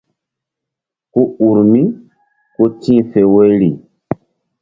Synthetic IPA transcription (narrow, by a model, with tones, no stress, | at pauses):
ko˦u˨ɾmĩ˦ | ko˦tĩ˦˨fe˨we˦ɾi˨